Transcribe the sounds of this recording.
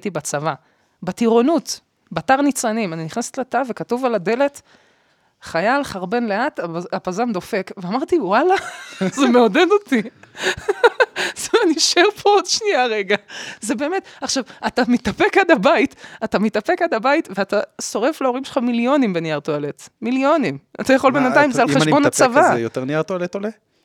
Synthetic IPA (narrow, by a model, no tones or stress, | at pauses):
t̪ibat͡sava | bat̪iʁo̞nut | bataʁnit͡sanimaniniχnase̥t̪latave̞katuvalad̪e̞le̞t̪ | χajalχaʁbe̞nleat̪apazamd̪o̞fe̞kveamaʁt̪iwalazemeoded̪o̞t̪i | z̥emaniʃeʁpʰood̪ʃniaʁeɡazebe̞ːme̞t̪aχʃavat̪amit̪ape̞kad̪abaitatamit̪ape̞kad̪abaitveataso̞ʁe̞flaoʁimʃelχamiljo̞nimbenjaʁt̪oale̞tmiljo̞nima̰tajaχo̞lbenat̪ajimzealχeʃbo̞nat͡savajoteʁniaʁt̪oalet̪ole